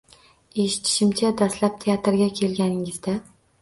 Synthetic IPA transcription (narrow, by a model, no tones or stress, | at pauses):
e̞ʃɪ̥t̪ʰɪ̥ʃɪmt͡ʃʰad̪ast̪lap̚t̪ʰe̞at̪ɾɡʲakʲʰe̞lɡʲanɪŋɪzd̪a